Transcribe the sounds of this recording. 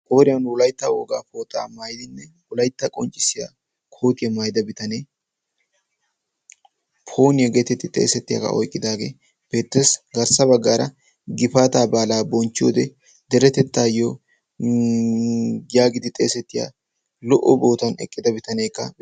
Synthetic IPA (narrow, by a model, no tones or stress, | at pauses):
kʼo̞ːɾɪjɐnwʊlɐjt̪ːɐwo̰ːɡa̰ːpoːt̪ʼːa̰ːmaːjɪd̪ɪnːɛ | wɔlɐjt̪ːɐkʼɔnt͡ʃʼːɪsɪja̰ː | kʰo̞ːt̪ɪjɐmaːjd̪ɐbɪt̪ɐneː | pʰo̞ːnɪjɐɡe̞ːt̪ɛt̪ːɪt̪ʼe̞̰ːsɛt̪ːɪja̰kɐ̰ʔɔ̰jkʼːɪd̪aːɡḛː | b̥e̞ːt̪ːeːsɡɐɾsɐbɐɡːaːɾɐ | ɡɪfaːt̪aːbaːlaːbɔnt͡ʃːɪjo̰ːd̪ɛ | d̪ɛɾɛt̪ːɛt̪ːaːjo | ɡɪjaːɡɪd̪ɪt̪ʼe̞̰ːsɛt̪ːɪja̰ː | lɔʔɔbo̞ːt̪ɐnɛ̰kʼːɪd̪ɐbɪt̪ɐneːkːɐ